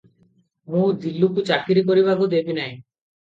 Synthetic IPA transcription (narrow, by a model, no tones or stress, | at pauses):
mũd̪ilːukut͡ʃakiɾik̬oɾiβaɡud̪ebinaj